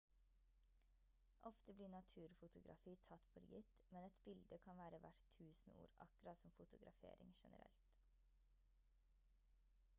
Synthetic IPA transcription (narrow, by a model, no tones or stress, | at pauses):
ʔɔft̪əbliːɳɑt̪ʰʉːɾfʊt̪ʊɡɾɑ̰fiːt̪ʰɑt̪fɔɾjʏt̪mɛnɛt̪bɪld̪əkʰɑnʋæːɾəʋæʈt̪ʰʉːsn̩ṵːɾɑ̰kʉɾɑt̪sɔmfʊt̪ʊɡɾʔɑfḛːɾɪ̰ŋʃɛnə̰ɾɛ̰lt̪